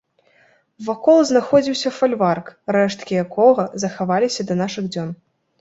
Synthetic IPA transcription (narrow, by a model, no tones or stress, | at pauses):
vakɔlˠznaxɔd͡zʲiwsʲɐfalʲvarkɾɛʂt̪kʲijakɔɣɐzɐxavalʲisʲɐd̪ɐnaʂɨɣd͡zʲɔn